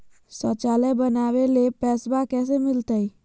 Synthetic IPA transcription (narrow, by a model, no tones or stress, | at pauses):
sɔt͡ʃaːləbənaːʋelepɛːsbakɛːs̬emɪlt̪əi